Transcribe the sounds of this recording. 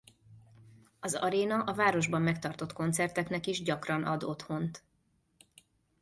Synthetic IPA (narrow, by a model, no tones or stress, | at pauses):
ɒzɒ̰ɾeːnɒʔɒvaːɾo̞ʒbɒmːɛkt̪ɒrt̪o̞t̪ko̞nt̪sɛrt̪ɛknɛkiʒɟɒkrɒnʔɒ̰d̪o̞t̪ho̞nt̪